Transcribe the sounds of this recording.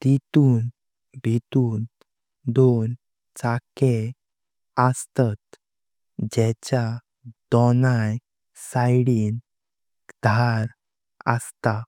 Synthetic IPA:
t̪it̪uːn | bʱit̪uːn | d̪on | t͡sake | əst̪at̪̚ | d͡ʑɛt͡ɕa | d̪̥ɔnaj | sajɽiːn | d̪ʱaɾ | ə̰st̪a

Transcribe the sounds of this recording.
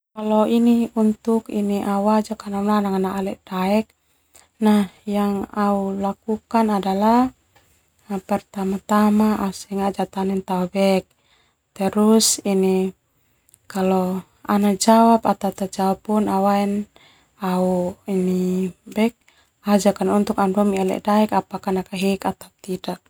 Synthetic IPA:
kalɔiniunt̪ukḭniʔawad͡ʒakanananaŋanaʔalɛʔd̥aɛk̚ | najaŋaulakukanadala | pɛrt̪amat̪amaʔausɛŋaʔd͡ʒat̪anɛnt̪aubɛk̚ | t̪ɛɾusini | kalɔ | anad͡ʒawapat̪at̪ad͡ʒawapːunawaɛn | auinibɛk̚ | ad͡ʒakanunt̪ukanduamialɛ̰ʔdaɛkapakanakaɦikat̪ap̚t̪idak̚

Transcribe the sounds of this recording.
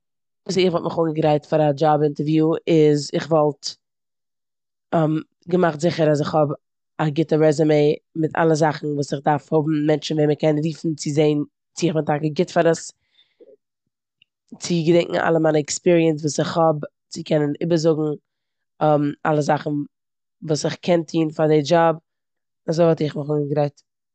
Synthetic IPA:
vuːs̬ɪχvɔlˠtmɪχʊŋəɡəɾaɪtfaɾad͡ʒabɪntəɾvjuːɪzɪχvɔlˠt | ɛm | ɡəmaχtzɪχəɾas̬ɪχhɔb | aɡɪtəɾɛzəmeɪmɪtʰa̰lˠəzaχn̩vuːsɪχdaɾfhʊbm̩mɛnt͡ʃn̩vɛːməkɛnɾiːfn̩t͡sɪzeɪn | t͡sɪɪχbɪntakəɡɪtfaɾəs | t͡sɪɡədɛŋʔŋ̩ʔa̰lˠəmaɪnəɛkspiɾiəns̬vuːsɪχhɔb | t͡sɪkʰɛnənɪ̰bəzʊɡŋ̩ | ma̰lˠəzaχn̩ | vuːsɪχkʰɛntʰiːnfaɾdɪd͡ʒɔb̚ | azoɪvɔlˠtɪχmʊχʊɡɾɛɪt

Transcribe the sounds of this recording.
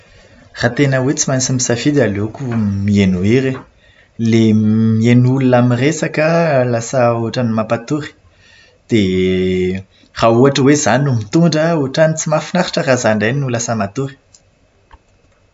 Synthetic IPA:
rat̪enəwet͡simansimisafid̪alukumienuiɾe | lemienulunamiresakəlasəuʈ͡ʂanimapat̪uɾi̥ | d̪̥e | rauaʈ͡ʂəwezanumit̪uɳɖ͡ʐəuʈ͡ʂanit͡simafinaɾi̥ʈ͡ʂərazaɳɖ͡ʐaninulasəmat̪uɾi̥

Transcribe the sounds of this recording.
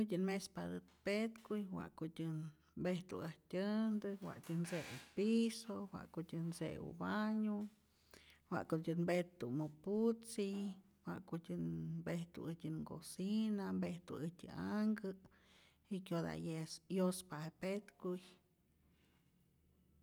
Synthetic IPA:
ɨtʲɨnmespad̪ɨt̪pet̪kujwa̰ʔkot̪ʲɨn | mbeht̪ṵaht̪ʲɨnd̪ɨwa̰ʔtʲɨnseṵpisowa̰ʔkotʲɨnsḛṵbaɲu | wa̰ʔkotʲɨnbet̪umuput͡si | wa̰ʔkutʲɨnbeht̪ṵɨtʲɨnko̰sinambeht̪ṵɨt̪ʲɨ̰aŋɡɨ | ikʲjod̪a̰jesjospahepet̪kuj

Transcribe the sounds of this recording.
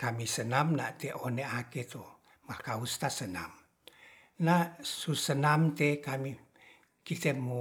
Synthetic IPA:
kamisənamnaʔt̪eʔoneaket̪o | mahkaust̪asəna̰m | nasusənamt̪ekami | kit̪emu

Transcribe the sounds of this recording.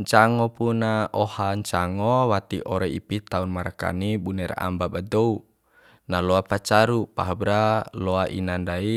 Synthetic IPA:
ɲt͡ʃaŋɔpunaɔhaɲt͡ʃaŋɔwat̪iʔɔɾɛipit̪aunmaɾaka̰nibunɛɾa̰mbabadou | nalɔapat͡ʃaɾupa̰ɦabɾalɔaʔḭnandai

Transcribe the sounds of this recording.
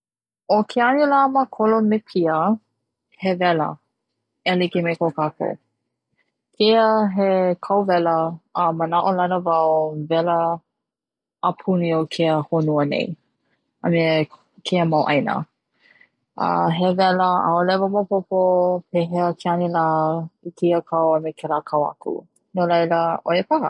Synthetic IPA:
okʰeanilaməkʰolomepʰiə | hevɛlə̰ | ɛlikimekokako̰ | kʰeəɦekʰawvɛləəmənaʔolɐnəvawvɛlə | pʰuniokʰeəhonuənḛj | ə̰me | kʰeəmawʔɐjnə̰ | ʔə̰ɦevɛləa̰olɛvəmopopopʰeɦeəkʰeanilaikʰiəkʰawəmekʰeɾakʰawa̰kṵ | nolɐjləoepaɦə

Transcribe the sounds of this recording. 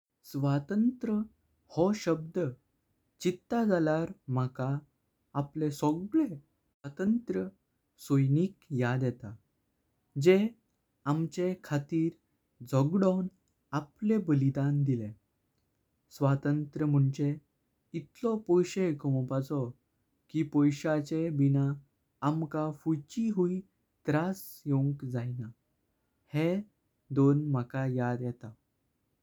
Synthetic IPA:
sʋat̪ənt̪ɾə | hɔɕəb̚d̪ə | t͡ɕit̪ːad͡zalaɾm̤akaː | plesɔɡɭe | at̪ənt̪ɾə | sojniːkjad̪jɛt̪a | d͡ʑe | amt͡ɕekʰat̪iːɾ | d͡zʱɔɡɽɔn | aplebəlid̪and̪ilẽ | sʋat̪ənt̪ɾəm̤uɳt͡ɕe | it̪lɔpɔjɕekəmɔpat͡sɔ | kiːpɔjɕat͡ɕebinaː | mkafujt͡ɕiɦui | t̪ɾas | joŋkd͡zajna | he | d̪onməkajad̪jɛt̪a

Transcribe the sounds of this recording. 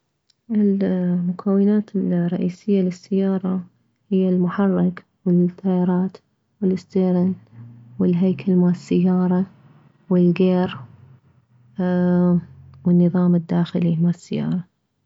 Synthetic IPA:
ʔɪlmʊkʰawːɪnaːt̪ɪlrˤːɑʔiːsɪjːalɪsːajːɑːɾˤɑ | hɪjːalmʊħɑrˤːɪk | wɪlt̪ːɑjɑːɾˤɑːt̪ | wɪlɪst̪eːɾɪnwɪlɦajkʰalmaʕɪsːɪjːɑːɾˤɑ | wɪlɡeːɾ | wɪnːɨðˤɑːmɪd̪ːaːxɪlimaʕsːɪjːɑ̰ːɾˤɑ

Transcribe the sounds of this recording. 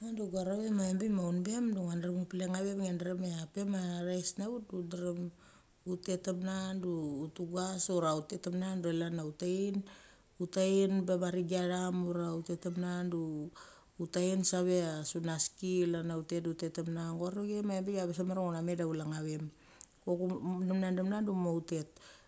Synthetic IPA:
anduɡaɾaβemaembimaunbe̞mduŋanɾemupileŋaβe̞mŋendɾemeape̞maɾajsnaβut̚dudɾem | ute̞temnanduːtuɡasuɾautetemnanduelanautain | utainbabaɾiɡiaɾamuɾaute̞temnanduː | tainsaβe̞asunaskilanaute̞tutetemnaŋɡoaɾoɡemaebeɡaβes̬ameɾaŋonamedaulaŋaβe̞m | kokunemnandemnandumoute̞t̚

